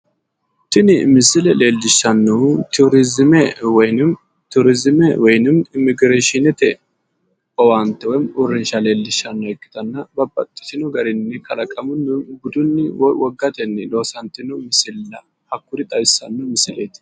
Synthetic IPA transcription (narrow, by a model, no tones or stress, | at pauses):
t̪ɪnɪmɪsɪlɛle̞ːlːɪʃːɐnːɔt̪uɾɪzɪmɛwɔjn | t̪ʊɾɪzɪmɛwɔjnɪmɪmɪɡɾeːʃɪnɪt̪ɛ | ɔwant̪ːɛwɔjmʊɾɪnʃɐle̞ːlːɪʃːɐnːɔɛkːɪ̥t̪ɐnːɐbɐbːɐt̪ʼːɪ̥sɪnʊɡɐɾɪnːɪkʰɐlɐkʼɐmʊnːɪɡʊd̪ʊnːɪwɔwɔɡːɐt̪ɛnːɪlo̞ːsɐnt̪ːɪnʊmɪsɪlːɐ | hɐkːʊɾɪt̪ʼɐjsːɐnːɔmɪsɪleːt̪